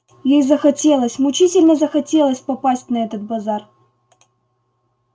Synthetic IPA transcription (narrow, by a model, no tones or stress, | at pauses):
jejzəxɐtʲe̞lˠəsʲmʊt͡ɕitʲɪlʲnəzəxɐtʲelˠəsʲpɐpasʲt̚ʲnɐɛt̪ət̪̚bɐzar